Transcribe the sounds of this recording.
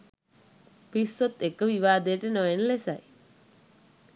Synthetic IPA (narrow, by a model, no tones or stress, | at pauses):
pisːot̪ːekəʋiʋaːd̪ejəʈənoenlesa̰j